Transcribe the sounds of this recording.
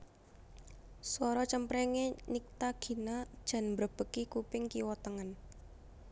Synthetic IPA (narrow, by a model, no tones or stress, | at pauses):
swɔɾɔt͡ʃəmpɾɛŋenik̚t̪aɡ̥i̤nad̥ʒ̥a̤nmbɾəb̥ə̤kikupɪŋkiwɔt̪əŋən